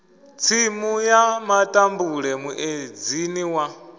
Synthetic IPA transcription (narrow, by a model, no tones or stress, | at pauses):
t͡sʰimujamatʼambuɺɛmuʔed͡ziniwa